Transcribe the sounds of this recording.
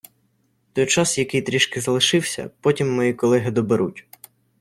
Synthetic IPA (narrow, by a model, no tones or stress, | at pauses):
t̪ɔjt͡ʃɑsjɐkɪjt̪ɾʲiʃkɪzɐlˠɪʃɪwsʲɐ̰pɔtʲimːɔjikɔlˠɛɦɪd̪ɔbeɾutʲ